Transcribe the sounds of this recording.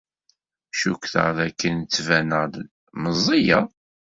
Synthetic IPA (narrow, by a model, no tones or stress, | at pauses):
ʃukθə̰ʁðækːənt͡sːvænəʁd̪ | məzˤːija